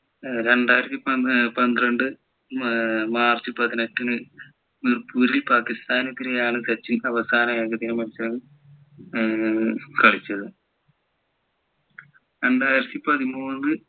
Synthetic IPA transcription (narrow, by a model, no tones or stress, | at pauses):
ɾe̞ɳɖaːjiɾɐt̪ːipɐpɐnd̪rɐɳɖɨ | maːrt͡ɕːɨpɐðineʈːinɨ | mirpuːɾilpaːkist̪aːnɨt̪ːiɾejaːɳɨsɐt͡ɕːinɐʋɐsaːnɐjeːɡɐðiɣɐmɐnusɐlɐ | kɐɭit͡ɕːɐðɨ | ɾe̞ɳɖaːjiɾɐt̪ːipɐðimuːnðɨ